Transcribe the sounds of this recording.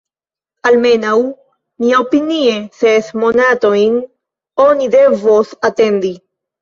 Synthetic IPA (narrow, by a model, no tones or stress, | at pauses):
alme̞naw | miaopiniesesmo̞nat̪o̞jn | onide̞vosat̪e̞nd̪i